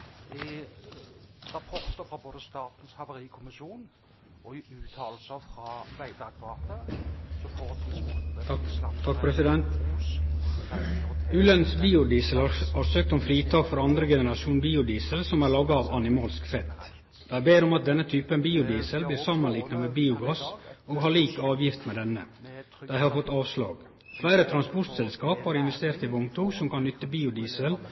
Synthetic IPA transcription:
t̪ʰɑk̚pʰɾɛsɪd̪ɛnt̪ | ʉːlənsbiːʊd̪iːsəlhɑɾsøːk̚t̪ɔmfɾiːt̪ʰɑːkfɔɾɑnd̪ɾəɡɛnəɾɑʃuːnbiːʊd̪iːsəlsɔmæɾɭɑːɡɑɑʋɑnɪmɑːlskfɛt̪ | d̪̥æɪbeːɾɔmɑt̪̚d̪ɛnːət̪ʰyːpənbiːʊd̪iːsəlbliːɾsɑmɑnliːknɑʋeːbiːʊɡɑsoːɡɦɑɭiːkɑːʋjɪft̪meːd̪ɛnːə̰ | d̪̥æɪhɑɾfɔt̪ːɑːʋslɑ̰ːɡ | flæɪɾət̪ʰɾɑnspɔʈ̪sɛlskɑːphɑːɾɪnʋɛst̪eːɾt̪ɪʋɔmt̪ʰuːɡsɔmkɑnːʏt̪ːəbiːʊd̪iːsəl

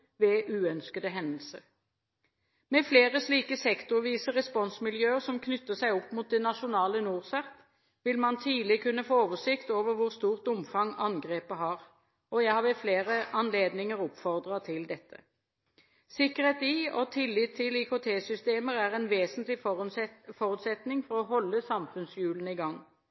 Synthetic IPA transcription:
ʋɛʔʉːœnskəd̪əɦɛnəlsəʁ | mɛfleːʁəsliːkəsɛkt̪ʊʁʋiːsəʁɛspɔnsmɪljøːəʁsɔmkʰnʏt̪ːəsæɪɔpːmuːt̪̚d̪ɛnɑʃʊnɑːlənuːʁsæʁt̪ | ʋɪlmɑnt̪ʰiːlɪkʰʉnːəfoːoːʋəsɪkt̪oːʋəʁʋʊʁst̪uːʁt̪ʊmfɑŋɑnɡʁeːpəɦɑːʁ | ʔɔjæɪhɑʁʋɛfleːʁəɑnleːd̪nɪŋəʁʊpfɔʁd̪ʁɑt̪ʰɪld̪ɛt̪ʰːə̰ | sɪkːəʁheːt̪iɔt̪ʰɪlːɪt̪ʰːɪlɪkʰʊt̪ʰeːsʏst̪eːməʁæʁɛnʋeːsənt̪lɪ | fɔʁʉːt̪sɛt̪nɪŋfɔʁɔɦɔlːəsɑmfʉnsjʉːlənəɪɡɑŋː

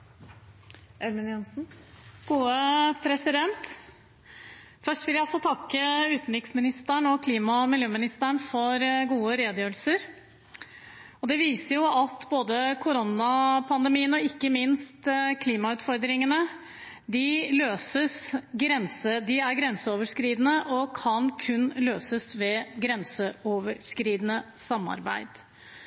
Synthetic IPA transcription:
ʔɛlmɪnjɛnsn̩ɡ̥uːəpʰɾɛsɪd̪ɛnt̪ | fœʂʈʋɪljæɪɔlsɔt̪ʰɑkːəʉːt̪n̩ɾɪksmɪnɪst̪æɳɔkʰliːmɑmɪljøːmɪnɪst̪æɳfɔɾɡuːəɾeːd̪jøːəlsəɾ | ɔd̪ɛʋiːsəjʊɑt̪boːd̪əkʰʊɾɔnɑpʰɑnd̪ɛmiːənɔɪkːəmɪnst̪kʰliːmɑʉːt̪fɔɾd̪ɾɪŋənə | d̪ɪløːsəsɡɾɛnsəd̪ɪæɾɡɾɛnsəoːʋəʂkɾiːd̪ənəʔɔkʰɑnkʰʉnːløːsəsʋɛɡɾɛnsəɔʋəʂkɾiːd̪ənəsɑmːɑ̰ɾbæ̰ɪd̪̥

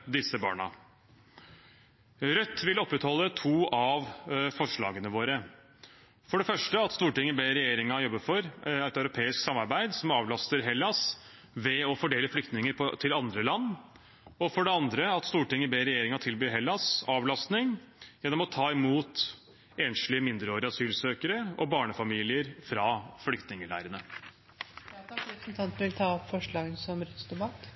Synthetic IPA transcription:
d̪ɪsːəbɑ̰ːɳɑ̰ | ɾœt̪ːʋɪlɔpːɾɛt̪hɔlːət̪ʰuːɑʋfɔʂɭɑ̰ːɡənəʋoːɾə | fɔɖɛfœʂʈəɑt̪st̪uːʈɪŋːəbeːɾɛjeːɾɪŋɑjɔbːəfɔɾæɪt̪œʉɾʊpʰeːɪsksɑmːɑɾbæɪd̪sɔmɑːʋlɑst̪əɾɦɛlːɑs | ʋɛɔfɔɖeːləflʏk̚t̪nɪŋəɾpʰɔt̪ʰɪlɑnd̪ɾəlɑnː | ɔfɔɖɛɑnd̪ɾəɑt̪st̪uːʈɪŋːəbeːɾɛjeːɾɪŋɑt̪ʰɪlbyːɦɛlːɑsɑːʋlɑst̪nɪŋjɛnːɔmɔt̪ʰɑːɪmuːt̪ | eːnʂlɪəmɪnd̪ɾəoːɾɪɑsyːlsøːkəɾəɔbɑːɳəfɑmiːlɪəɾfɾɑflʏkt̪nɪŋəɭæ̰ɪɾənə | pɾəsnt̪ʰɑnt̪ənʋɪlt̪ʰɑːɔpfɔʂɭɑːɡənsɔmɾʏt̪sd̪ʊbɑt̪

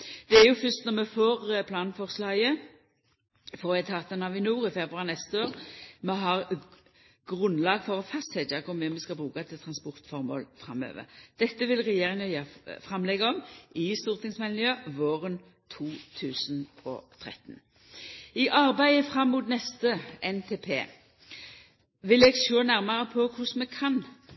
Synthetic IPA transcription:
d̪̥ɛæʁjʊfʏst̪nɔʁmɛfoːʁpʰlɑːnfɔʁslɑə | fɔːʁæt̪ʰɑːt̪ənɑʋɪnuːʁɪfɛbɾʉɑʁnɛst̪əoːʁmɛɦɑʁ | ɡ̥ʁʉnlɑːɡfɔʁɔfɑst̪sɛd̪ɑkɔmʋɛmɛskɑbʁʉːkɑt̪ʰɪlt̪ʰʁɑnspɔʁt̪fɔʁmo̰ːlfʁɑ̰mø̰ːʋə̰ʁd̪̥ɛt̪ːəʋɪlʁɛjeːʁɪŋɑjøːfʁɑmlɛɡaɔmɪst̪uːʁt̪ʰɪŋsmɛlnɪjøʋoːʁən | t̪ʰuːt̪ʰʉːsnɔ̰t̪ʰʁɛ̰t̪ːn | ɪʔɑʁbæɪəfʁɑmːuːt̪nɛst̪əɛnt̪ʰeːpʰḛː | ʋɪlɛɡsøːnæʁmɑʁəpʰɔkʰʊsmɛkʰɑn

